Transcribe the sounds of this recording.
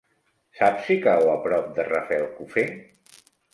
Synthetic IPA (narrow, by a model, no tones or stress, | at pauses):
sapsikawəpɾɔp̚d̪ərəfɛlˠkufe